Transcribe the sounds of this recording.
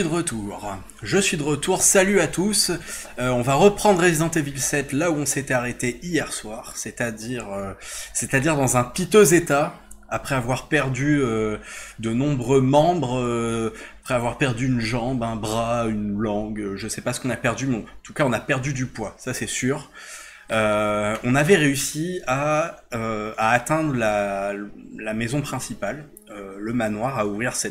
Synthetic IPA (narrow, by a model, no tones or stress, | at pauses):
id̪əʁət̪ʰuːʁ | ʒəsɥid̪əʁət̪uʁsalyat̪us | øɔ̃vaʁəpχɑ̃d̪ʁezid̪ɑ̃t̪evilsɛt̪lauɔ̃set̪ɛaʁet̪eijɛʁswaːʁsɛt̪ad̪iʁøset̪ad̪iʁd̪ɑ̃zɛ̃pit̪øzet̪aapχɛavwaʁpɛʁd̪yød̪ənɔ̃bʁømɑ̃bʁəapχɛavwaʁpɛʁd̪yːnʒɑ̃bɛ̃bʁaynlɑ̃ɡøʒəsɛpasə̥kɔ̃napɛʁd̪ymɛɑ̃ɑ̃t̪ukaɔ̃napɛʁd̪yd̪ypwasasɛsyːʁ | øɔ̃navɛʁeysiaøaːt̪ɛ̃d̪ʁəla | lamɛzɔ̃pχɛ̃sipal | øləmanwaʁauvʁiʁsɛ